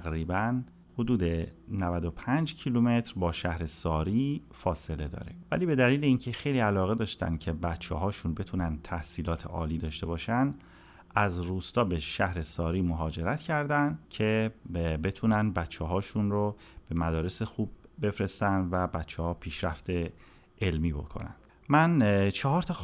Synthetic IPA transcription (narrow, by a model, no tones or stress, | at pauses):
æɣɾiːbæn | ho̞d̪uːd̪e̞nævæd̪o̞pʰænd͡ʒcʰilume̞t̪ʰɾbɒːʃæhɾesɒːɾiː | fɒːse̞le̞d̪ɒ̰ːɾḛvæ̰liːbe̞d̪æliːleiːncʰe̞xe̞jliːælɒːɣe̞d̪ɒːʃt̪æ̰nd̪̥̚cʰe̞bæt̪t͡ʃʰːeɦɒːʃunbe̞t̪ʰuːnænd̪t̪ʰæhsiːlɒːt̪ʰḛʔɒ̰ːliːd̪ɒːʃt̪e̞bɒːʃænd̪ | ʔæzruːst̪ɒːbeʃæhɾe̞sɒːɾiːmoɦɒːd͡ʒe̞ɾæt̪cʰæɾd̪ænd̪cʰe̞be̞t̪ʰuːnænd̪̚bæt̪t͡ʃːɛɦɒːʃunro | b̥e̞mæd̪ɒːɾe̞se̞xuːb̚ːe̞fɾe̞st̪ænd̪væbæt͡ʃʰːɛhɒːpʰiːʃɾæft̪e̞ | ʔelmiːbo̞̰kʰo̞̰næ̰nd̪̥ | mænt͡ʃʰɒɦɒːɾt̪ʰɒ